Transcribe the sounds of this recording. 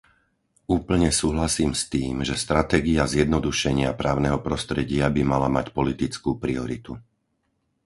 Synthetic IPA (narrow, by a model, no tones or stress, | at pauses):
uːpl̩ɲɛsuːɦlasiːmst̪iːmʒɛst̪ɾat̪ɛːɡiazjɛd̪nɔd̪uʃɛɲɪapɾaːʊnɛɦɔpɾɔst̪ɾɛɟɪabimalamacpɔlit̪it͡skuːpɾiɔɾit̪u